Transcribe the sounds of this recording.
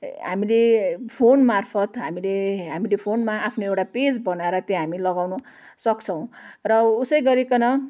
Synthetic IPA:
ɦa̰milepʰonmarpʰʌt̪ɦamileɦamilepʰonmaapʰnoewʈaped͡zbʌnaeɾʌt̪jʌɦamilʌɡawnʌ | sʌkt͡sʰʌw̃rʌusʌjɡʌɾekʌnʌ

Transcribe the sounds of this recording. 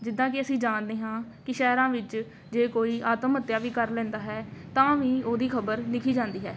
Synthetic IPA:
d͡ʒɪd̪ːãːkɪəsĩːd͡ʒaːnd̪eːɦãːkɪʃɛːɾãːʋɪt͡ʃ | d͡ʒeːkoːiːʔaːt̪əmət̪ːjaːʋiːkəɾlɛ̃ːnd̪aːɦɛːt̪ãːʋĩːoːd̪iːkʰəbəɾlɪkʰiːd͡ʒãːnd̪iːɦɛː

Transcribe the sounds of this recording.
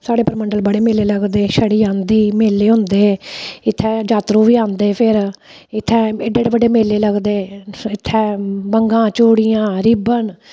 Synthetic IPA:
saːɽeːpəɾməɳɖəlbəɽeːmeːleːləɡd̪eːʃəɽiːãːnd̪iːmeːlːeːɦʊ̃nd̪eːɪt̪ʰːɛːd͡ʒaːt̪ɾũːʋiːãːnd̪eːpʰɪɾ | ɪt̪ʰːɛ̃ːeɖeːɽebəɖeːmeːleːləɡd̪eːɪt̪ʰːɛ̃ːbəŋɡãːt͡ʃoːɽijãːɾɪbən

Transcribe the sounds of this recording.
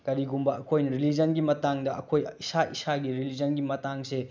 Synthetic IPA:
kɐɾiɡumbɐɐkʰojnɐɾilid͡ʒɐnɡimɐtaŋdɐʔɐ̰kʰojisaisaɡiɾilid͡ʒɐnɡimɐtaŋse

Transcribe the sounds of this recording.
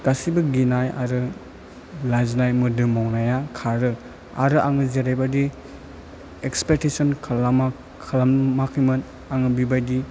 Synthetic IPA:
ɡ̥asibɯɡinaja̰ɾɯ | lajznajmɯdɯmɔwnajakʰaɾɯ | a̰ɾɯʔaŋɯzeɾajbadi | ekspek̚tisɔnkʰalama | kʰalammakʰijmɯn | aŋɯbibajdi

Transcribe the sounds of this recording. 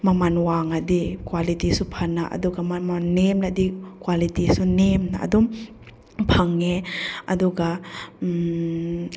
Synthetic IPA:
mamanwaŋadikwalitisupʰanaʔa̰duɡamamannemnadikwalitisunemnaa̰dum | pʰaŋeaduɡa

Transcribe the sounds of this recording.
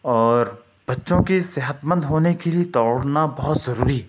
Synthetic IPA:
ɔːɾ | b̥ɐtːʃõkiseɦət̪mə̃nd̪ɦoːnekeliet̪ɔːɾnabɔɦʊt̪zɐɾuːɾi

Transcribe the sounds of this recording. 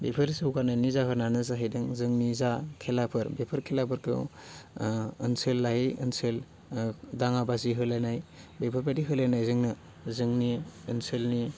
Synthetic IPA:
bepʰɯɾsɯwkanajnizaɦɯɾnanɯzaɦijdɯŋzɯŋnizakʰelapʰɯɾbepʰɯɾkʰelapʰɯɾkʰɯ̰ | ɯnsɯlːaiɯnsɯl | daŋabaziɦɯlajnajbepʰɯɾbadiɦɯlajnajzɯŋnɯ | zɯŋniɯnsɯlni

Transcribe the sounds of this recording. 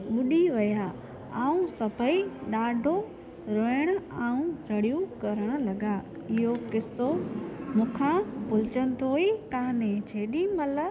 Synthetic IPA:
ɓʊɗiʋɐjaː | aːũsɐpəiɗaːɖʱo | ɾoːɪɽ̃ʊ̆aːũɾɐɽijũkɐɾəɽ̃ʊ̆lɐɠa | ɪɦokɪsomʊ̃ːkʰãpʊlɪt͡ɕənɪ̆t̪ʰoːikãːnẽt͡ɕʰeːɗimɐlə

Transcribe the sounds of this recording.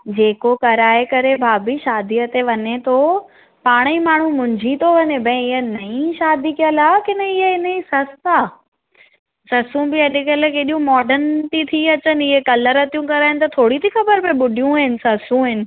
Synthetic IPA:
d͡ʑeːkokɐɾaːekɐɾebʱaːbiʃaːd̪iət̪eʋɐɲet̪ʰo | paːɽ̃imaːɳ̤̃ũmʊ̃ːɲd͡ʑʱit̪ʰoʋɐɲebɐ̃ĩɪɦənɐĩʃaːd̪ikijəlaːkɪnəɪɦəɪnəisɐstaː | sɐsũbɪɐɗʊkəlkeːɗijũmɔːɖənt̪it̪ʰiɐt͡ɕənɪ̆ɪɦekɐləɾɦɐt̪ijũkɐɾaːɦɪnɪ̆t̪ɐt̪ʰoːɽit̪ʰixɐbəɾpẽɓʊɖijũɦɪnɪ̆sɐsũɪnɪ̆

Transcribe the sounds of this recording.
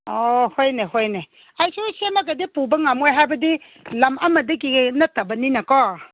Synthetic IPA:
ɔhɔjnɛhɔjnɛ | ajsusɛmak̬ədipubaŋamɔjɦabədi | lamʔamadik̬iɡnatabəninakɔ

